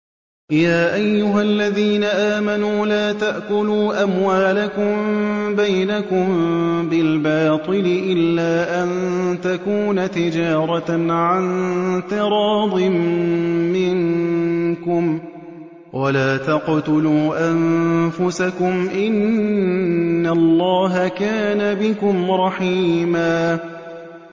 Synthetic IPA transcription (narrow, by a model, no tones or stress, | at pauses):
jaːʔajːʊɦalːaðiːnaʔaːmanuːlaːt̪aʔkʊluːʔamwaːlakʊmbajnakʊmbɪlbɑːt̪ˤɨlɪʔɪlːaːʔant̪akuːnat̪ɪd͡ʒɑːɾˤɑʕant̪ɪɾˤɑːd̪ˤɨmː | ɪŋ | kʊm | walaːt̪aqt̪ʊluːʔanfʊsakʊmʔɪn | alˤːɑːɦakaːnabɪkʊmɾˤɑħiːmaː